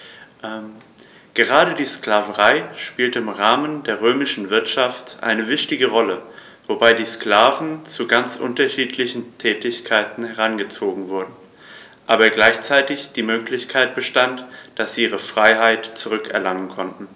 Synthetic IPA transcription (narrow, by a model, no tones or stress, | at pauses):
ʔ | ɡ̥əʁ̞aːɾədiːsklaːvəʁaɪʃpiːltəɪmʁaːməndeːɐʁøːmɪʃn̩vɪɐtʃaftʔa̰ɪnəvɪçtɪɡəʁɔlə | vobaɪdiːsklaːvn̩t͡suɡant͡sʔʊ̰ntɐʃiːtʰlɪçn̩tʰɛːtɪçkʰaɪtn̩hɛʁ̞anɡət͡soːɡŋ̩vʊɐdn̩ | ʔaːbɐɡlaɪçt͡saɪtɪçd̥iːmøːklɪçkʰaɪt̚b̥əʃtantd̥asz̥iːʔiːʁ̞əfʁ̥aɪɦaɪtt͡suʁʏkɛ̰ɐlaŋənkʰɔntn̩